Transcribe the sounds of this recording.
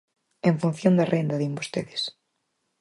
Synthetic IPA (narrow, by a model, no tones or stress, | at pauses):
ẽɱfun̟θjond̪ɐrʔend̪ɐðimbost̪eðɪs